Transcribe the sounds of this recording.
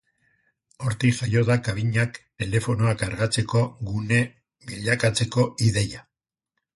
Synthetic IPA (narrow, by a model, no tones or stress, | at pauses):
o̞ɾt̪iʝajo̞ðakaβiɲakt̪e̞le̞fo̞no̞akaɾɣat͡se̞ko̞ɣune̞ | βiʎakat͡se̞ko̞iðe̞ja